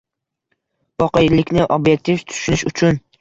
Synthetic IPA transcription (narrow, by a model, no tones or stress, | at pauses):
vɒqɑjlɪkʲnɪʔobjek̚ʲt̪ʰift̪ʰʊ̥ʃʊnɪʃʊt͡ʃʰʊn